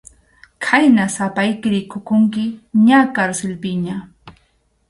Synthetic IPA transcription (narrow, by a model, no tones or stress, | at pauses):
kʰajnasapajkɪɾɪkʊkʊŋkɪɲakaɾsɪlpɪɲa